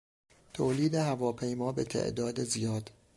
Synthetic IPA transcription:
t̪ʰoːliːd̪eɦævɒːpʰe̞jmɒːbe̞t̪ʰḛʔd̪ɒːd̪ezijɒːd̪̥

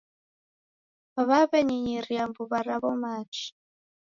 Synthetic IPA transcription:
βaβaβɛɲiɲiɾiambuβaɾaβɔmaːt͡ʃi̥

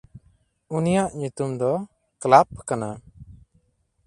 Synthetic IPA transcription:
unijaʔɲut̪umd̪ɔ | klap̚kana

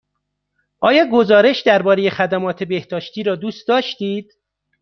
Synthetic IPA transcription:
ʔɒːjɒːɡo̞zɒːɾe̞ʃd̪æɾbɒːɾe̞je̞xæd̪æmɒːt̪ʰe̞be̞hd̪ɒːʃt̪iːɾɒːd̪uːst̪d̪ɒːʃt̪iːd̪̥̚

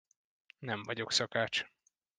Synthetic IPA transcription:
nɛɱvɒɟo̞ksɒkaːt͡ʃ

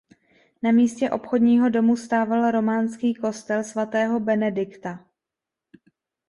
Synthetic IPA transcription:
namiːscɛʔo̞pxo̞dɲiːɦo̞do̞must̪aːvalɾo̞maːnskiːko̞st̪ɛlsvat̪ɛːɦo̞bɛnɛdɪkt̪a

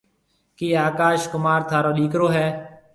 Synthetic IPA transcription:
kiːaːkaːʃkʊmaːɾt̪ʰaːɾoːɗiːkɾoːɦɛː

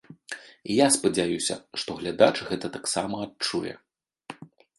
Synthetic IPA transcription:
ijaspɐd͡zʲajusʲɐ̰ʂt̪ɔɣlʲad̪at͡ʂɨɣɛt̪ɐt̪aksamɐːtt͡ʂujɛ̰

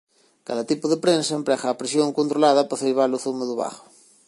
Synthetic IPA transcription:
kaðɐt̪ipʊðepɾensɐempɾɛɣaːpɾesjoŋkont̪ɾolaðɐpaθelβaloθumeðʊβa̰χo̥

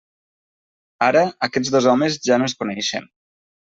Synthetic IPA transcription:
aɾəakɛd͡zðozɔmezʒanoeskunɛʃḛn

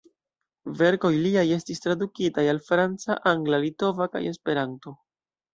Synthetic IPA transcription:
ve̞ɾko̞jliaje̞stistɾadukitajalfɾant͡sa̰ʔaŋɡlalito̞vaka̰je̞spe̞ɾanto̞

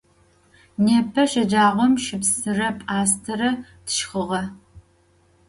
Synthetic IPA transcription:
neːpʰɐʃɐd͡ʒaːʁʷɔmʃɪpsɨrɐpʼaːstʰɐɾɐ | tʰʃχəʁɐ

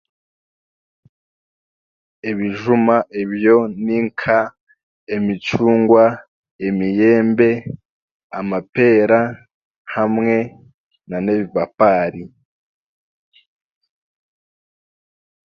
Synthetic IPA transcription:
eβiʒumaʔeβjo̞niŋkʰa | emit͡ʃuːŋɡwa | emije̞ːmbe̞ | amape̞ːɾa | hamŋe̞ | naneβiβapaːɾi

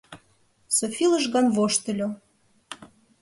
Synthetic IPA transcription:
sofilˠəʒɣɑnβoʃt̪ə̆lʲo

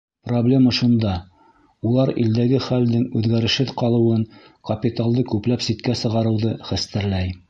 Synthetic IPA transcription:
problʲe̞məʃund̪ɑ | ulˠɑɾḭld̪æɡɘχæld̪ɘŋʉðɡæɾɘ̆ʃhɘðqɑlˠɤ̆wɤɴ | kɐpʲit̪alˠd̪ɤkʉplæpsit̪kæsɤ̆ʁɑɾɤ̆wðɤχæst̪ɘ̆ɾlæj

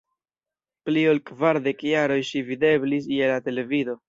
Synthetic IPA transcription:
plio̞lkvaɾde̞kjaɾo̞jʃivide̞blis̬jelate̞le̞vido̞

